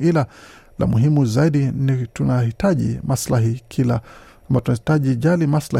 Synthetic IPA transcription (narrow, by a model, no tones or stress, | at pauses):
ila | lʔa̰muɦimuzaiɗinitunahitaʄḭmaslaɦikʰila | ambatunahitaʄiʄalimasla